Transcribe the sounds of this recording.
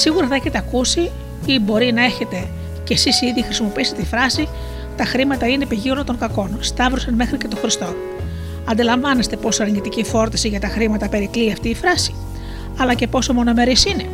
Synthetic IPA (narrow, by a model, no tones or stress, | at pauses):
siɣuɾɐθɐeçe̞t̪eɐkusi | ibo̞ɾinɐe̞çe̞t̪e̞ | ce̞sisiðixɾisimo̞piiset̪ifɾɐsi | t̪ɐxɾimɐt̪ɐine̞piʝionɐt̪o̞ŋkɐko̞nst̪ɐvɾusɐnme̞xɾice̞t̪o̞xɾist̪o̞ | ɐnd̪ilɐɱvɐne̞st̪e̞po̞soɐɾɲit̪icifo̞ɾt̪ɐsiʝɐt̪ɐxɾimɐt̪ɐpe̞ɾikliɐft̪iːfɾɐsi̥ | ɐlɐce̞po̞so̞mo̞no̞me̞ɾisine̞